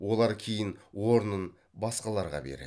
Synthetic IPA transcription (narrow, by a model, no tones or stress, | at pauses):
wo̞lˠɑɾkʲʰejɪnwo̞ɾənən | bɑsqɑlˠɑɾʁɑ̰bḛɾḛ